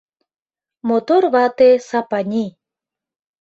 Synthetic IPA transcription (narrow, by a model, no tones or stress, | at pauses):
mot̪orβɑt̪esapanʲi